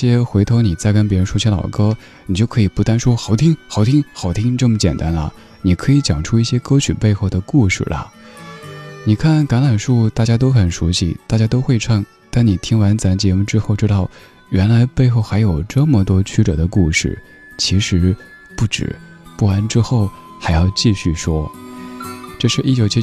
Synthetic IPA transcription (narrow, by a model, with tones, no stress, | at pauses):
ɕjɛ˥xwe˧˥ɪt̪ʰo˧˥ʊni˨˩t͡sa˥˩ɪkə˥npjɛ˧˥ɻə˧˥nʂu˥t͡ɕʰɛ˧˥lɑ̰˨˩ʊkɤ˥ | ni˨˩t͡ɕjo˥˩kʰɤ˧˥i˨˩pu˥˩t̪a˥nʂwɔ˥xɑ˧˥˩ʊt̪ʰi˥ŋxɑ˧˥˩ʊt̪ʰi˥ŋxɑ˧˥˩ʊt̪ʰi˥ŋʈ͡ʂɤ˥˩mə˩t͡ɕjɛ˨˩nt̪a˥nlə̰˨ | ni˨˩kʰɤ˧˥i˧˥t͡ɕjɑ˨˩ŋʈ͡ʂʰu˥i˥˩ɕjɛ˥kɤ˥t͡ɕʰy̰˨˩pe˥˧ɪxo˥˩ʊd̪ə˩ku˥˧ʂɻ̩̰˥˩lɐ̰˩ | ni˨˩kʰa˥˩nka˧˥nla˨˩nʂu˥˩t̪a˥˩t͡ɕja˥t̪̬o˥ʊxə˨˩nʂu˧˥ɕḭ˧t̪a˥˩t͡ɕja˥t̪o˥ʊxwe˥˧ɪʈ͡ʂʰɑ˥˩ŋ | t̪a˥˩ni˨˩t̪ʰi˥ŋwa˧˥nt͡sa˧˥nt͡ɕjɛ˧˥mu˥˧ʈ͡ʂɻ̩˥xo˥˩ʊʈ͡ʂɻ̩˥t̪ɑ˥˩ʊ | ɥɛ˧˥nla˧˥ɪpe˥˧ɪxo˥˩ʊxa˧˥ɪjo˨˩ʊʈ͡ʂɤ˥˩mə˩t̪wɔ˥t͡ɕʰy˥ʈ͡ʂɤ̰˨˩d̪ə˦ku˥˧ʂɻ̩̰˥˩ | t͡ɕʰi˧˥ʂɻ̩˧˥ | pu˥˩ʈ͡ʂɻ̩̰˨˩˦ | pu˥˩a˥nʈ͡ʂɻ̩˥xo˥˩ʊ | xa˧˥ɪjɑ˥˧ʊt͡ɕi˥˧ɕy˥˩ʂwɔ˥ | ʈ͡ʂɤ˥˧ʂɻ̩˥˧ʔi˥˩t͡ɕjo˨˩ʊt͡ɕʰi˥